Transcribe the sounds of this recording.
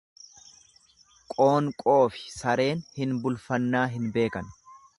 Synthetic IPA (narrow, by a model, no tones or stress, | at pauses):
kʼo̞ːŋkʼo̞ːfɪ̥sɐɾe̞ːnhɪnbʊlfɐnːaːɦɪnbe̞ːkɐn